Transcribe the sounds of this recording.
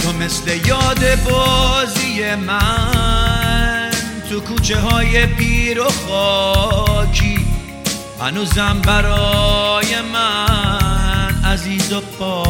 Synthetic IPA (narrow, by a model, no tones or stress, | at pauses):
t̪ʰome̞sle̞jɒːd̪e̞bɔzije̞mæ | nt̪ʰukʰuːt͡ʃʰe̞ɦɒːje̞pʰiːɾoχɔː | t͡ʃʰi | hæ̰nuːzæmbæɾɔje̞mæ | næziːzobɔː